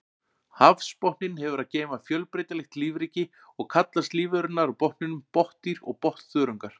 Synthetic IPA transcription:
hafspɔhnɪnhɛvʏɾaðceːjmafjœlpɾejt̪alɛxt̪liːvɾiːcɪ | ɔɣkʰat̪last̪liːvœɾʏnːaɾapɔhnnɪnʏmpɔht̪iɾɔ̰ɣpɔht̪θœːɾʏŋkaɾ̥

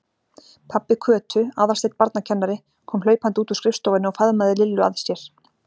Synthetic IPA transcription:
pʰapːɪkʰœːt̪ʰʏaːwðasɛt̪paɾt̪nacʰɛnːaɾɪ | kʰɔːmlœːɥpant̪uːt̪u̥skɾɪfst̪owvɪnɪɔfaðmaðɪlɪlːʏa̰ðsjɛɾ̥

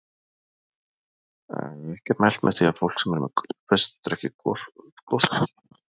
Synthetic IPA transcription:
ɛhcɛɾmajl̥t̪mɛ̰̥θiafowl̥ksɛmɛɾmɛfɛst̪ɾɛhcɪkɔklɔst̪

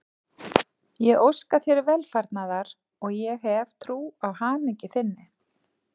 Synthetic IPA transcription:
jɛɣowskaθjɛɾɪɾvɛlfaɾt̪naðaɾ | ɔɣjɛɣɦɛvt̪ʰɾuːawhaːmɪcɪθɪnːɪ

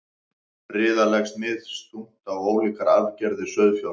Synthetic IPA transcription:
ɾɪːðalɛxsmɪðst̪um̥t̪awoːwliːkaɾaðcɛɾðɪsœðfja

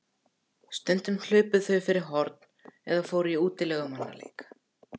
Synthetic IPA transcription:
st̪ɛnt̪ʏml̥ʏːpʏðθœɥfɪɾɪɾɦɔɾt̪̚n̥ɛðafoːwɾʏiuːt̪ɪlɛɣʏmanːa̰lḛːjkḁ

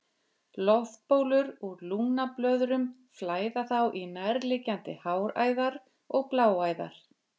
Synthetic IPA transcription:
lɔfpoːwlʏɾuɾluːnaplœːðɾʏm | flaːjðaθawʔinajɾlɪcant̪ɪhaːwɾa̰ːjðaɾ | ɔɣplaːwaːjða̰ɾ̥

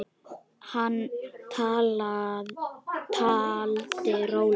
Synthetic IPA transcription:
hant̪ʰaːla | t̪ʰaːlt̪eɾow

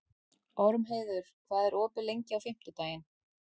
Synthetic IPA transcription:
ɔɾmɦeːjðʏɾ̥kθaðɛɾɔːpɪlejɲcɪawfɪm̥t̪ʏt̪aːjɪn

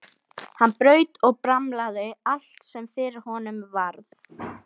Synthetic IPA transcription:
hanːpɾœːɥt̪ɔɣpɾamlaðɪal̥t̪sɛmfɪɾɪɾ̥hɔnʏmvaɾθ

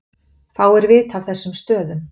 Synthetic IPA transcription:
θaːwɛɾvɪt̪av̥θɛsːʏmst̪œːðʏm

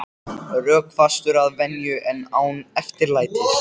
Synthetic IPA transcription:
rœːkfast̪ʏɾaðvɛnjʏʔɛnːaːwnɛft̪ɪɾlaːjt̪ɪ

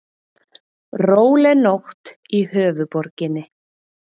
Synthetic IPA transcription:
roːwlɛnoxt̪ | ihœːvʏpɔɾcɪnːɪ

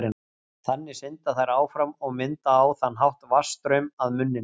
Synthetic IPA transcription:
ɾɪ | θanːɪsɪnt̪aθajɾaːwfɾamɔɣmɪnt̪aːwθanːɦawht̪vast̪ɾœmaðmʏnːɪ

